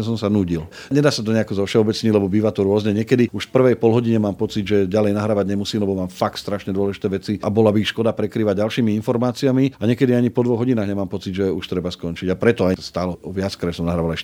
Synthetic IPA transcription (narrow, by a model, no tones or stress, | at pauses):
s̬ɔmsanuːɟil | ɲɛd̪aːsat̪ɔɲɛakɔzɔfʃɛɔbɛt͡sɲiɟlɛbɔbiːʋat̪ɔɾʊɔzɲɛɲɪɛkɛd̪iuʃfpr̩ʋɛjpɔlɦɔɟiɲɛmaːmpɔt͡sid̪ʒɛɟalɛjnaɦɾaːʋaɟɲɛmusiːmlɛbɔmaːmfak̚t̪st̪ɾaʃɲɛd̪wɔlɛʒit̪ɛːʋɛt͡siʔabɔlabiːxʃkɔd̪apɾɛkɾiːʋaɟalʃiːmiinfɔɾmaːt͡siamiaɲɛkɛd̪iaɲipɔd̪ʋɔɣɦɔɟinaːɣɲɛmaːmpɔt͡sid̪ʒɛuʃt̪ɾɛbaskɔnt͡ʃiɟapɾɛt̪ɔajst̪alɔʋɪat͡skɾɛsɔmnaɦɾaːʋalɛʃ